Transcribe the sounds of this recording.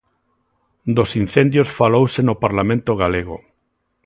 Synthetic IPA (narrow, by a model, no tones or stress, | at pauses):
d̪osin̟θẽnd̪josfalowsenopaɾlamẽnt̪oɣ̞aleɣ̞o